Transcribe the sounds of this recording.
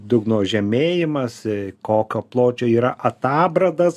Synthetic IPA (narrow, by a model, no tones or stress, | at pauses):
d̪ʊɡnoːʒʲɛmʲeːjɪmɐskoːkʲoːplˠoːt͡ʃʲoːiːɾɐʔɐt̪ɑːbrɐd̪ɐs